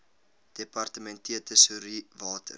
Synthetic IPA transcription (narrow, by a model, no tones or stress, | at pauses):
d̥epɐrtəmɛntiətəsuɾivɑːtʰə̰r